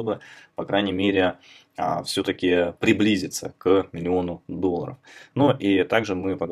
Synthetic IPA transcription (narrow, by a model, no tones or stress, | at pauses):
t̪o̞bɨpɐkɾajnʲɪmʲeɾʲɪ | əfsʲo̞t̪əkʲɪpɾʲɪblʲizʲɪt̪sə̰kmʲɪlʲɪo̞nʊd̪o̞lˠːə̰ɾə̰fnoʔit̪aɡʐɨmɨpəd̪